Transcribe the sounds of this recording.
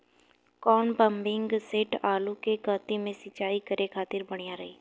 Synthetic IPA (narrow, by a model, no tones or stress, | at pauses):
kɔːnbɐ̃mbɪ̃ŋɡseʈaːlukekəːt̪imẽsɪt͡ʃaːikɐɾʔekʰaːt̪ɪɾbɐɽ̃ijaɾɐɦeː